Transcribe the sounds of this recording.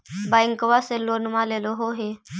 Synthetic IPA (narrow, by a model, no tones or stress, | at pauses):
baɪŋkəʋaselonmaleloɦoɦe